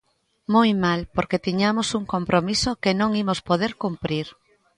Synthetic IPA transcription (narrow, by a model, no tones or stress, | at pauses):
mojmalpoɾket̪iɲamosuŋkompɾomisokenõŋimospoð̞eɾkumpɾiɾ